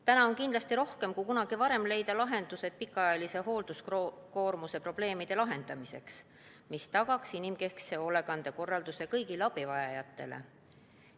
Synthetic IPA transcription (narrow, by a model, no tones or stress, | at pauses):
t̪ænɑo̞nkind̪lɑst̪iɾo̞hke̞mkujkunɑɡ̥ivɑɾe̞mle̞jd̪̥ɑlɑɦe̞nd̪̥use̞d̪̥̚pikːˑɑɑjɑlise̞ɦo̞ːld̪̥uskko̞ːrmuse̞pro̞b̥le̞ːmid̪̥e̞lɑɦe̞nd̪̥ɑmise̞̰ks | mist̪ɑɡ̥ɑksinimke̞hkseo̞le̞ɡ̥ɑnd̪̥e̞ko̞rːɑld̪̥use̞kɤjɡilɑb̥ivɑjɑjɑt̪ːˑe̞̰lḛ